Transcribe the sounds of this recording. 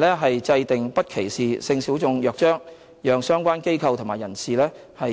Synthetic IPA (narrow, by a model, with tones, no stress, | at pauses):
lɛː˥ɦɐ˨jt͡sɐ˧jt̪ɪ˨ŋpɐ˥t̚kʰe˨˩jsiː˨sɪ˧ŋsiː˨˥wt͡sʊ˧ŋjœː˨k̚t͡ʃœː˥ŋ | jœː˨ŋsœː˥ŋkʷaː˥nke˥jkʰɐ˧wt̪ʰʊ˨˩maː˨˩jɐ̰˨˩nsiː˨lɛː˥ | hɐ˨